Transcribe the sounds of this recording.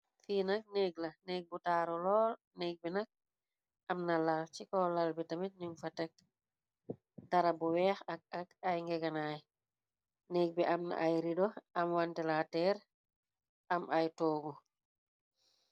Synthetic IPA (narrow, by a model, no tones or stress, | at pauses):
finak̚neɡlaneɡ̚butaɾɔlɔːl | neɡ̚bɛnak̚ | ʔamnalalt͡ʃikɔlalbɛtamit̚niŋfatɛk̚ | taɾabuwɛːxak̚akajŋɡɛɡanaj | nɛɡ̚bɛʔamna̰ʔajɾidɔamwantɛlatɛːɾ | ʔamʔajtɔːɡɔ